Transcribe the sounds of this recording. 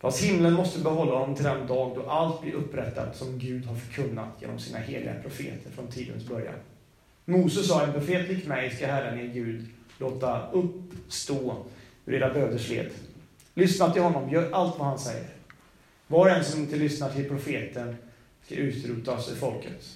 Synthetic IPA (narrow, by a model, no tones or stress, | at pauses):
fast̪hɪmːlənmɔst̪əbɛɦɔlːahɔnːɔmt̪ɪlɛnd̪ɑːɡ̚d̪ɔʔalt̪̚bliːʔɵpːɾɛt̪ʰːa̰d̪sɔmɡʉ̟ːd̪haɾfœɾkʰɵnːa̰t̪ʰjḛːnɔ̰msiːnaheːlɪ̰ɡa̰pʰɾʊfḛːt̪ʰəɾfɾɔnt̪ʰiːd̪ə̰nsbœɾja̰n | muːsəsɑːɛnpʰɾʊfeːt̪lɪkːmɛjskaɦæɾəneɡʉ̟ːd̪loːt̪aɵpst̪oː | ɵɾeːɾabøːd̪əʂlḛːd̪ | lʏsnat̪ʰːɪlɦɔnːɔmjœːɾʔalt̪vahansɛ̰jːə̰ɾ | vɑɾɛnsɔmɪnt̪əlʏsnaʈʰɪlpʰɾʊfeːt̪ən | ska̰ʔʉ̟ːt̪ɾuːt̪asɵ̰ɾfɔlkət̪